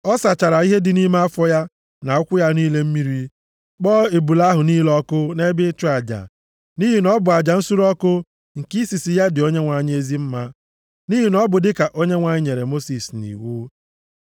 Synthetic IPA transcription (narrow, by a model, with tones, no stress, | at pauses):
ɔ˦sa˨t͡ʃa˨ɾa˨i˦ɦe˦dɪ˨ni˦ma˦a˦fɔ˦ja˦ | na˨ʊ˦kʷʊ˦ja˦niː˦le˦m̩˦mi˦ɾi˦ | k͡pɔː˦e˨bu˨la˦ɦʊ˨niː˦lɔ˦kʊ˦ne˦bɪ˦t͡ʃʊ˦a˨d͡ʒa̰˨ | ni˦ɦi˨nɔ˦bʊ˨a˨d͡ʒa˨n̩˦su˦ɾɔ˦kʊ˦ | ŋ̩˨ki˦si˨si˨ja˦dɪ˨o˦ɲe˦ŋʷa˨ɲ˦e˦zi˦m̩˦ma˦ | ni˦ɦi˨nɔ˦bʊ˨dɪ˦ka˨ʔo˦ɲe˦ŋʷa˨ɲɪ˦ɲe˨ɾe˨mo˦si˨snḭ˨wu˦